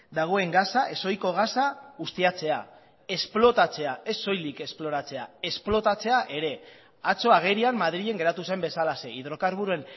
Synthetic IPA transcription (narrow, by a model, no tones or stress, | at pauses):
d̪aɣ̞o̞e̞ŋɡasaʔe̞so̞jko̞ɣ̞asaust̪iat͡se̞a̰ | e̞splo̞t̪at͡se̞ae̞so̞jlike̞splo̞ɾat͡se̞ae̞splo̞t̪at͡se̞aʔe̞ɾe̞ | at͡so̞aɣ̞e̞ɾiammaðɾiʎe̞ŋɡe̞ɾat̪usajmbe̞salase̞iðɾo̞kaɾβuɾue̞n